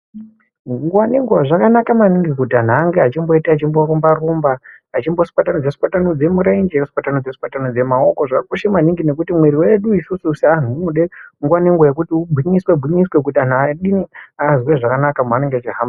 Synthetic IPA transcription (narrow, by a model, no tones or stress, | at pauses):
ŋɡuwaneŋɡuwaʐakanakamaniŋɡikutan̤aːŋɡeat͡ʃimbo̞itaːt͡ʃimbo̞ɾumbarumbaː | t͡ʃimbo̞si̥patanod͡zesi̥patanod͡ze̞muɾaind͡ʒesi̥patanod͡zesi̥patanod͡ze̞mao̞ko̞ʐakuʃemaniŋɡine̞kutimweɾiweɗuisususian̤umuɗeŋɡuwaneŋɡwajek̬utiubʱwiɲiswebʱwiɲiswek̬utan̤aɗiniazweʐakanakamaneŋɡeat͡ʃiɦamba